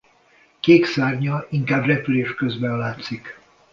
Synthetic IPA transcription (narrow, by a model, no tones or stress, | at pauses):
keːksaːrɲɒiŋkaːbrɛpyleːʃkø̞zbɛnlaːt̪sik